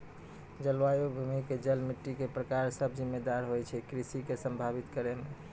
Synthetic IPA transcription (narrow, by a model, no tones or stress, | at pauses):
d͡ʒəlʋajobʱumiked͡ʒəlmiʈːikepɾəkaɾsəbʱd͡ʒimːed̪aɾɦojt͡ʃʰɛkɾisikesəmbʱabit̪kəɾeme